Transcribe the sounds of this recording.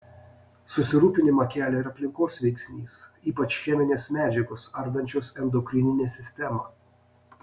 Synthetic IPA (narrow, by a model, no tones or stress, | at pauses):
sʊsʲɪɾuːpʲɪnʲɪmɐkʲæːlʲɛɪɾɐpʲlʲɪŋkoːsʋʲɛɪksʲnʲiːsiːpɐt͡ʃxʲɛmʲɪnʲeːsmʲæːd͡ʒʲɛɡoːsɐɾd̪ɐnʲt͡ʃʲoːsɛnd̪okʲɾʲɪnʲɪnʲeːsʲɪsʲt̪ʲɛmɐ